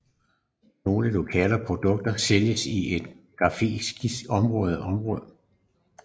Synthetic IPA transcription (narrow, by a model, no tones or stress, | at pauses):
no̝ːləlokʰɛ̰ːlɐpʰʁo̝d̥ɔ̽ɡ̥̚d̥ɐseljəsiʔe̝d̥ɡ̥ɑ̈fe̝̰sɡ̥isɒ̽mʁɔ̽ːð̞̩ˠɒ̽mʁɔ̽ːðˠ